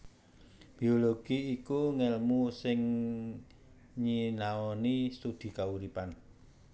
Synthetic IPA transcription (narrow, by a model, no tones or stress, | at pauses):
b̥ioloɡ̥iːkuŋɛlmusɪŋ | ɲinaɔnist̪ud̪̥i̤kauɾipan